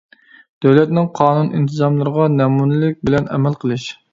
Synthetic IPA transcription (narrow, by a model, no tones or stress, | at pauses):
d̪̥æwlɛt̪nɪŋqʰɑːnunʔint̪ʰɨzɑmlˠɨɾəʁɑnɛmunɪlɪk̚ʲbɪlɛnʔɛ̰mɛlqʰəlˠɨʃ